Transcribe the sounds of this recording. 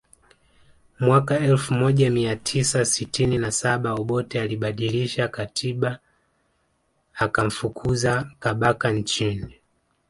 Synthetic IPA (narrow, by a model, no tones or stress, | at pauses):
mwakaɛlfumɔʄamiatʰisasitininasaɓaɔɓɔtɛaliɓaɗiliʃakatʰiɓa | kam̩fukʰuzakaɓakant͡ʃini